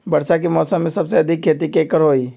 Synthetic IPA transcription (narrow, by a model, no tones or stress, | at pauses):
bɐɾsak̬imɔːsəmːẽsɐbseɐd̪ʱikʰːeːt̪̬ikeːkəɾɦoːiː